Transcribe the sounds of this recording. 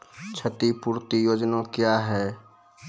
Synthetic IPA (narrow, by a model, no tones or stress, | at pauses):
t͡ʃʰət̪ipuːɾt̪ijoːd͡ʒnakjaɦɛː